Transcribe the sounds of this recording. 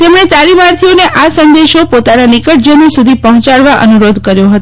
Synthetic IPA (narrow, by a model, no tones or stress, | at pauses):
t̪emɽ̃et̪alimaɾt̪ʰijoneʔasənd̪eʃopot̪ananikəʈ̚d͡ʒəmisud̪ʱipəɦɔ̃t͡ʃaɭʋaʔə̰nuɾod̪ʱkəɾjoɦət̪o